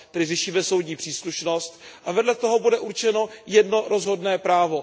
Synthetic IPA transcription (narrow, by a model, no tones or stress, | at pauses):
t̪ɛdɪrɛʃiːmɛso̞wdɲiːpr̥iːsluʃno̞st̪ʔavɛdlɛt̪o̞ɦo̞budɛʔuɾt͡ʃɛno̞jɛdno̞ɾozɦo̞dnɛːpɾaːvo̞